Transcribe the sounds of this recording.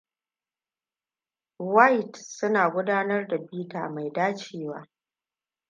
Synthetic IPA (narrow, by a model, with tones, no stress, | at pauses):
wa˦jtsʊ˦naː˨ɡʷʊ˦daː˦nɐ˦rda˨biː˦ta̰ː˨ma˨jdaː˦t͡ʃeː˦˨waː˦